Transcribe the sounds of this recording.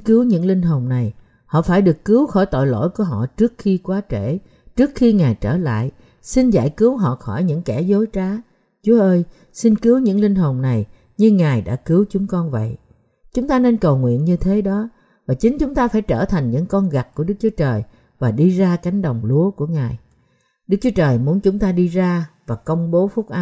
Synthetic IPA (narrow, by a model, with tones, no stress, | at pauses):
kɨ˨˦wɲɨ̰˧˥ŋlï˧ŋ̟ɦo˨˩ŋ͡mna˨˩j | hɔ̰˧˨faː˧˩jɗɨ˨˩əkːɨ˨˦wxɔ˧˩jt̪o̰˧˨jlo̰˧˥˨jku˧˩əɦɔ̰˧˨t͡ɕɨ˦˥ək̚xi˧kwaː˨˦t͡ɕe˧˩ | t͡ɕɨ˦˥ək̚xi˧ŋaː˨˩jt͡ɕəː˧˩la̰ː˧˨j | si˧nza̰ː˧˨jkɨ˨˦əwɦɔ̰˧˨xɔ˧˩jɲɨ̰˧˥ŋkɛ˧˩zo˨˦jt͡ɕaː˨˦ | t͡ɕu˨˦əʔəː˧j | si˧nkɨ˨˦əwɲɨ̰˧˥ŋli˧ŋ̟ɦo˨˩ŋ͡mna˨˩j | ɲɨ˧ŋaː˨˩jɗa̰ː˧˥kɨ˨˦wt͡ɕʊ˨˦ŋ͡mkɔ˧nvə̰˧˨j | t͡ɕʊ˨˦ŋ͡mt̪aː˧ne˧nkə˨˩wŋwḭ˧˨ənɲɨ˧t̪ʰe˨˦ɗɔ˨˦ | vaː˨˩t͡ɕï˨˦ŋ̟t͡ɕʊ˨˦ŋ͡mt̪aː˧faː˧˩jt͡ɕəː˧˩t̪ʰa˨˩ŋ̟ɲɨ̰˧˥ŋkɔ˧nɣa˨˩t̚ku˧˩əɗɨ˦˥k̚t͡ɕu˨˦t͡ɕəː˨˩j | vaː˨˩ɗi˧zaː˧ka˨˦jŋ̟ɗə˨˩wŋ͡mlu˨˦əku˧˩əŋaː˨˩j | ɗɨ˦˥k̚t͡ɕu˨˦t͡ɕəː˨˩jmu˨˦ənt͡ɕʊ˨˦ŋ͡mt̪aː˧ɗi˧zaː˧vaː˨˩kə˧wŋ͡mɓo˨˦fʊ˦˥k͡p̚ʔa˨˦